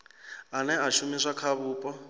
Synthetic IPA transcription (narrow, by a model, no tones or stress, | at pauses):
anɛaʃumiʂakʰaβuːpʼɔ